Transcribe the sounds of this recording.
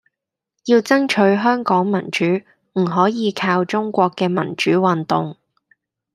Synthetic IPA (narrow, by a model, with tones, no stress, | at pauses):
jiː˧wt͡sɐ˥ŋt͡ʃʰɵ˨˥ɥɦœː˥ŋkɔː˨˥ŋmɐ˨˩nt͡ʃyː˨˥ | m̩˨˩ɦɔː˨˥jiː˨˧kʰaː˧wt͡sʊ˥ŋkʷɔː˧kːɛː˧mɐ̰˨˩nt͡ʃyː˨˥wɐ˨nt̪ʊ˨ŋ